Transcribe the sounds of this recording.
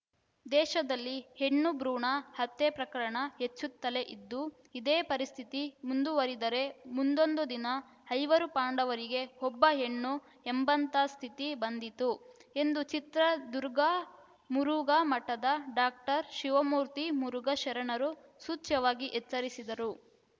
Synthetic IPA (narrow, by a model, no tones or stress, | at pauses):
d̪ɛːʃɐd̪ɐlːihe̞ɳːubɾuːɳɐhɐt̪ːepɾɐkɐɾɐɳɐɦet͡ʃːut̪ːɐle̞ʔid̪ːu | id̪eːpɐɾist̪ʰit̪imund̪uʋɐɾid̪ɐɾe̞mund̪o̞nd̪ud̪inɐ | hɐjʋɐɾupaːɳɖɐʋɐɾiɡe̞ɦɔbːɐɦe̞ɳːu | embɐnt̪ast̪ʰit̪ibɐnd̪it̪ue̞nd̪ut͡ʃit̪ɾɐd̪uɾɡa | muɾuɡaːmɐʈːɐd̪ɐɖaːk̚ʈɐɾʃiʋɐmuːɾt̪imuɾuɡɐʃɐɾɐɳɐɾu | suːt͡ʃɐʋaːɡiʔet͡ʃsɐɾisid̪ɐɾu